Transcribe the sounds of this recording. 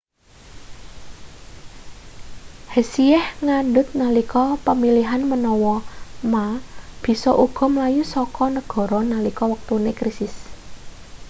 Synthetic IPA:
hesiɛhŋanɖʊt̪̚nəlikɔpəmiliɦanmənɔwɔmab̥i̤sɔʔuɡ̥ɔ̤mlajusɔkɔnəɡ̥ɔ̤ɾɔnəlikɔwək̚t̪unekɾisɪs

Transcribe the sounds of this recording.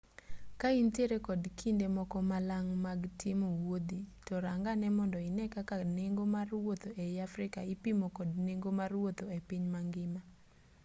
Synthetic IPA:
kainteɾekɔdkʰindemɔkɔmalaŋmaɡtʰɪmowod̪itɔɾaŋɡanɛmɔndɔɪnɛkakaneŋɡomarwot̪oʔejafɾɪkaipimokɔdneŋɡomarwot̪oepiɲmaŋɡɪma

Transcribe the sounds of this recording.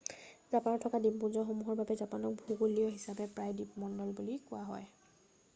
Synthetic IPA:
zapanɔtʰːɔkadippuzɔxomuɦɔɹbabɛzapanɔk̚bʱuɡoliɔɦisabɛpɹajdipmɔndɔlbulikʊwaɦɔ̰j

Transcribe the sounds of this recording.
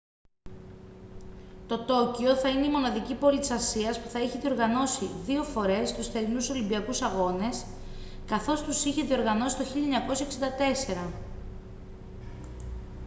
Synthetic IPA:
t̪o̞t̪o̞cio̞θɐineimo̞nɐðicipo̞lit̪i̥sɐsiɐspuθɐiçeðio̞ɾɣɐno̞siðio̞fo̞ɾe̞st̪usθe̞ɾinuso̞limbiɐkusɐɣo̞ne̞s | kɐθo̞st̪usiçe̞ðio̞ɾɣɐno̞si̥t̪o̞çiʎɐeɲɐko̞sɐeksind̪ɐt̪e̞se̞ɾɐ

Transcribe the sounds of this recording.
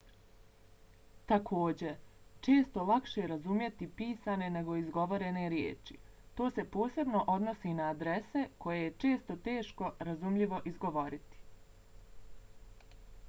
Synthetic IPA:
t̪akʰo̞ːd͡ʑe̞t͡ʃe̞ːst̪o̞lˠakʃeɾazumje̞t̪ipiːsane̞ne̞ɡo̞izɡo̞ʋo̞ɾe̞ne̞ɾjḛːt͡ʃḭ | t̪o̞ːse̞po̞ːse̞bno̞ʔo̞d̪nosinaːd̪ɾe̞se̞ko̞jejet͡ʃe̞ːst̪ot̪e̞ːʃko̞ɾazumʎiʋo̞ʔizɡo̞ʋo̞ɾit̪i̥

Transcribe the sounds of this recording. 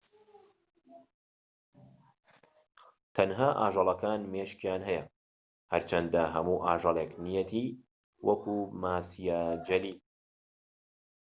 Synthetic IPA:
t̪ʰɐnɦaːʔa̰ːʒɑlˠɐkaːnmeʃkjaːnɦɛjɐ | hɐɾt͡ʃʰɐnd̪ɐɦɐmuːʔaːʒɑlˠeknijɛt̪ʰiː | wʔɐkuːmaːsijaːd͡ʒɐliː

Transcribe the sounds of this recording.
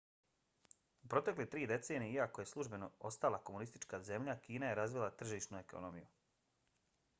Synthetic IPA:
upɾo̞t̪e̞klit̪ɾiːd̪e̞t̪se̞ːnijeiakoje̞slˠuʒbe̞no̞o̞st̪alˠakomunist̪it͡ʃkaze̞mʎakiːnaje̞ɾazʋilˠat̪r̩ʒiːʃnue̞kʰo̰nomiju

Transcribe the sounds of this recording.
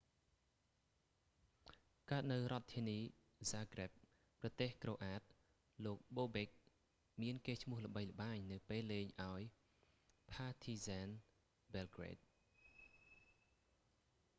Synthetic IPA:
kaət̪̚nɨwrŏət̪ʰːiəniː | zaːkrep̚ | prɑt̪eːhkroːʔaːt̪̚ | loːk̚ɓoːɓek̚ | miənkeːt͡ɕʰmʊələ̆ɓəjlə̆ɓaːɲnɨwpeːlːeːɲʔaɔj | pʰaːt̪ʰiːzan | bɛlɡrḛːt̪̚

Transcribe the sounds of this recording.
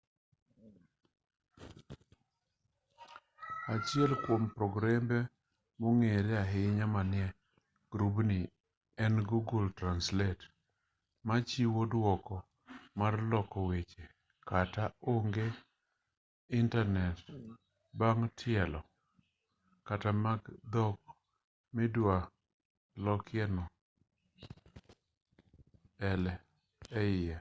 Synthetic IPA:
at͡ʃɪɛlkwompɾɔɡɾembɛ | moŋeɾjaɦɪɲamanɪɛ | ɡ̥ɾubni | ɛnɡuɡultɾanslɛt | mat͡ʃiwodwɔkɔ | marlɔkɔwet͡ʃe | kataoŋɡe | ɪntanɛt | baŋtʰɪɛlɔ | katamaɡd̪ɔk̚ | mɪdwa | lɔkɪɛnɔ | ɛlɛ | ɛɪja

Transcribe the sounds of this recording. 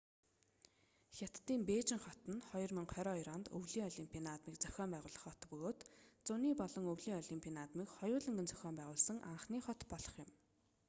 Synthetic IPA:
xʲat̪ːiːmpeːt͡ɕɪ̆ŋχɔt̪ə̆nχɔjɞ̆rmiŋχʰœɾɔːiɾɔnt̪ɵwɮiːŋɔɮimpʲʰinat̪miːkt͡sœxʲɔːmpæːʁʊːɮə̆χɔt̪pɵɣoːt̪t͡sʊniːpɔɮɞ̆ŋɵwɮiːŋɔɮimpʰʲiɔnat̪miːkχɔjʊːɮə̆ŋɡɘ̆nt͡sœ̥xʲɔːmpæːʁʊːɮsə̆ŋʔa̰ɴχniːχɔt̪pɔɮɞ̥̆χjʊ̆m

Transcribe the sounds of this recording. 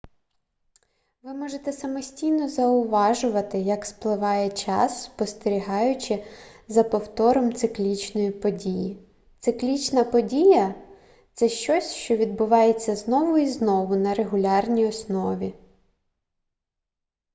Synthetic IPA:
ʋɪmɔʒet̪ɛsɐmɔsʲtʲijnɔzɐʊʋɑʒʊʋɐt̪ɪjɐksplˠɪʋɑjɛt͡ʃɑ̰sːpɔst̪eɾʲiɦɑjʊt͡ʃɪzɐpɔwt̪ɔɾɔmt̪sɪklʲit͡ʃnɔjipɔdʲiji | t̪sɪklʲit͡ʃnɐpɔdʲijɐ | t̪sɛʃt͡ʃɔsʲʃt͡ʃɔʋʲid̪̚bʊʋɑjet͡sʲːɐznɔʋʊiznɔʋʊnɐɾeɦʊlʲɑrnʲijɔsnɔʋʲi

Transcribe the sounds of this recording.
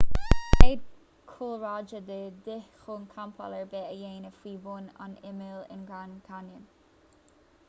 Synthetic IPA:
eːd̚ | kʰulɹad͡ʒəd̪əd̪ɪxonkʰampʰa̰ləɹbeːəjeːnəfwiːbuːna̰nɪmɪlɪ̰nɡankʰanjən

